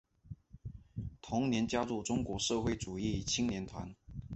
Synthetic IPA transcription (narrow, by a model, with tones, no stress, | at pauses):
t̪ʰʊ˧˥ŋnjɛ˧˥nt͡ɕja˥lu˥˩ʈ͡ʂʊ˥ŋkwɔ˧˥ʂɤ˥˧xwe˥˩ɪʈ͡ʂu˨˩i˥˩t͡ɕʰi˥ŋnjɛ˧˥nt̪ʰwa̰˧˥n